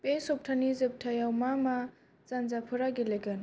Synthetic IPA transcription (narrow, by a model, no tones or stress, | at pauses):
pesɔp̚tʰanizɯp̚tʰajawmama | zanzapʰɯɾaɡeleɡɯn